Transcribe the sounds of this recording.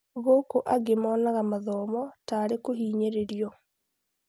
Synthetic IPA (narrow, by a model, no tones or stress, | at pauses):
ɣoːkoʔaɡemɔːnaɣamaðɔːmɔtaːɾekohiːɲeɾeɾjɔ